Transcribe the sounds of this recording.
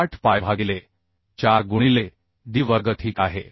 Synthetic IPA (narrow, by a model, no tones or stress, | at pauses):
aʈʰpajbʱaɡile | t͡ɕaɾɡuɽ̃ile | ɖ̪iːʋəɾɡət̪ʰɦiːkaɦḛ